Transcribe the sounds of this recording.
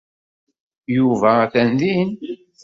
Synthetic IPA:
juvæθænðin

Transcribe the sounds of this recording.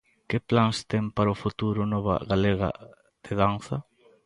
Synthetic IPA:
kɪplanst̪ɛŋpaɾʊfut̪uɾʊnɔβɐ̰ɣaleɣɐ̰ | d̪̥ɪðanθɐ

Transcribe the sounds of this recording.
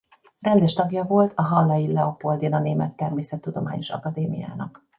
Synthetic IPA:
rɛnd̪ɛʃt̪ɒɡjɒvo̞lt̪ʰɒɦɒlːɒjilːɛopo̞ld̪inɒneːmɛt̪ːɛrmeːsɛt̪ːud̪o̞ma̰ːɲo̞ʃɒ̰kɒd̪eːmḭja̰ːnɒ̰k

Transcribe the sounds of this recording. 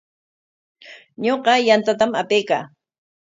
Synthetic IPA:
ɲoqɑjant̪at̪amapejka̰ː

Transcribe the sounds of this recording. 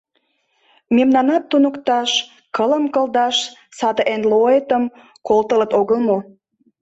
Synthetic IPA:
memnɑnɑt̪ːunəkt̪ɑʃ | kələmkəld̪ɑʃsɑd̪əʔenloet̪əm | kolt̪ələt̪oɣəlmo

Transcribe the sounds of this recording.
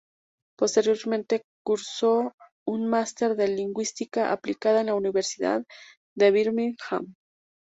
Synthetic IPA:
post̪eɾjoɾment̪ekuɾso | unmast̪eɾðeliŋɡwist̪ikaʔa̰plikaðaenlauniβeɾsiða̰ðː | eβiɾmiŋxa̰m

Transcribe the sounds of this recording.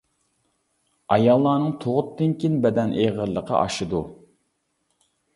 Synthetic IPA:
ɑjɑlˠːɑːnɨŋt̪ʰoʁʊt̪ːɨnkʲinbɛd̪ɛnʔeʁəɾlˠəqʰə̰ʔɑ̰ʃɨd̪u

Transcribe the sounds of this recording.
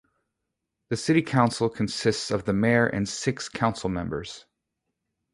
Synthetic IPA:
ðɨsɪɾikʰãʊ̃nsl̩ˠkʰɨ̃n̩sɪstsʌvðɨmɛɹʔɨ̰̃nsɪkskʰãʊ̃nsl̩ˠmɛ̃mbə˞z̥

